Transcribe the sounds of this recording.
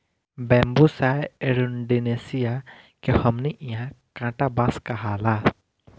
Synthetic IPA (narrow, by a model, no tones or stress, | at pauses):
bɛ̃ːmbusaːeɾunɖineːsija | kehɐmniʔiãkãːʈabaːskɐɦaːlaː